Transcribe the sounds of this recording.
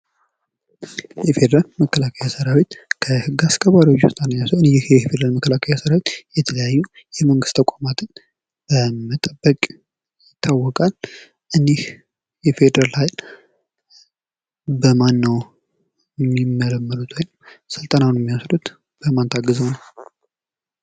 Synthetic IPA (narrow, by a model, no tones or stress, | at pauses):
jɛfe̞d̪əɾalməkːəlakʰəjasəɾawet̪kʰəhɨɡːaskʰəβaɾiwot͡ʃːost̪ʼanəjasɨnehhjɛfed̪əɾalməkːəlakʰəjasəɾawet̪jɛt̪ʰələjajːu | jɛməŋɡɨst̪t̪ʰəkʷʼamat̪ʰɨn | b̥əmət̪ʼəbːəkʼ | jɪt̪ʰːawːɔkʼal | ʔɨneh | jɛfe̞d̪əɾalhajl | bəmanːəw | ɛmːimːələmːəɾut̪ʰajnəmsɨlt̪ʼənanɛmːijasɾut̪ | b̥əmant̪ʰaɡəzəwnəw